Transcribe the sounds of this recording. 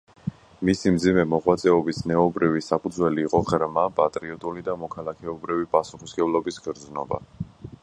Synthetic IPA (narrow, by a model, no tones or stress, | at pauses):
misimd̪zimɛmɔʁwat̪sʼɛɔbisnɛɔbɾivisapʰud̪zwɛliːqʼɔʁɾmapʼat̪ʼɾiɔt̪ʼulid̪amɔkʰalˠakʰɛɔbɾivipʼasuχisɡɛblˠɔbisɡɾd̪znɔba̰